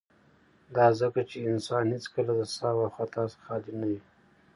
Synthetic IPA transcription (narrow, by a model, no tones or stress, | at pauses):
d̪ɑzəkat͡ʃeɪnsɑnhet͡skəlad̪əsɑwaxwat̪ɑsxɑlɪnawi